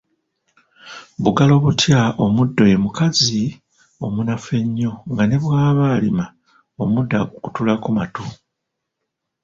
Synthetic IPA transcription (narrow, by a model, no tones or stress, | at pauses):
βuɡalo̞ːβutjao̞mudːo̞je̞mukazi | o̞munafe̞ɲːo̞ŋɡane̞βwaːβalima | omudːakukutulakumatu